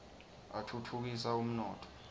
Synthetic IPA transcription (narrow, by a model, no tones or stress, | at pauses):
atʰutʰuk̬isaum̩nɔːtʰɔ̥